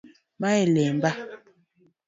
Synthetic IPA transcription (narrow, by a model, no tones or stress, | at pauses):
maelɛm̩ba